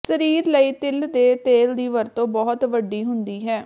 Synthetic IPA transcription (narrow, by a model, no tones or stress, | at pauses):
səɾiːɾləiːt̪ɪld̪eːt̪eːld̪iːʋəɾt̪õːbɔːt̪ʋəɖːiːɦʊnd̪iːɦɛː